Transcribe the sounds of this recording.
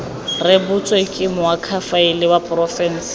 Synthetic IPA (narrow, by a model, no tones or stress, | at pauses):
rɪbʊt͡sʼwekʼɪmʊakʰafaɪlɪwapʼrɔfɛn̩s